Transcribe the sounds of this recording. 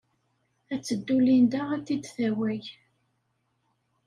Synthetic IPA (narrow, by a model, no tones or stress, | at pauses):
æt͡sːəd̪ːulind̪ææt̪ːid̪θæwæj